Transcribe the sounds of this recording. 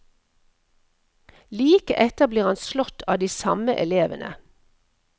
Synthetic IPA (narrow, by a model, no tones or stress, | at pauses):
liːkəʔɛt̪əʁbliːʁɑnslɔt̪ʰɑːd̪iːsɑməʔɛleːʋənʔə̰